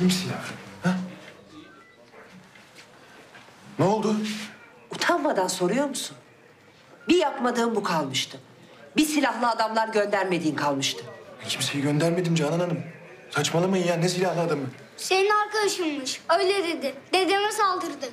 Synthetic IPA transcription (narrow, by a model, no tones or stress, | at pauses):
imsilʲahhɛ | nolˠd̪ʊ | ut̪ʰanmad̪anso̞ɾujo̞ɾmusun | bijapmad̪ɯːmbukʰalˠmɯʃt̪ʰɯ | bisilʲaɦlˠɯad̪amlˠaɾɟønd̪æɾme̞d̪iːnkʰalˠmɯʃt̪ʰɯhit͡ʃmisejiɟønd̪æɾme̞d̪imd͡ʒanananɯm | sat͡ʃmalˠamajɯnjaːnes̬ilʲahlˠaːd̪amɯ | seninaɾkad̪aʃɯnˠmɯʃøjlʲɛd̪e̞d̪ɪd̪ed̪imɛsalˠd̪ɯɾd̪ɯ